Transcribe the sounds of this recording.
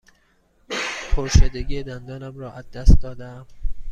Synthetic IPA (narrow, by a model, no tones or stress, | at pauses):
pʰoɾʃed̪eɡiːjed̪ænd̪ɒːnæmɾɒːʔæzːæst̪̚d̪ɒːd̪ææm